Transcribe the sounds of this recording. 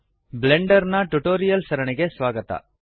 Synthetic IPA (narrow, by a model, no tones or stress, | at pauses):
bleɳɖɐɾnɐʈuʈoːɾijɐlsɐɾɐɳiɡe̞sʋaːɡɐt̪ɐ̰